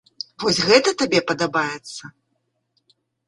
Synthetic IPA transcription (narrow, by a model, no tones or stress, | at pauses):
vɔsʲɣɛt̪ɐt̪abʲɛpɐd̪abajɛt̪sːɐ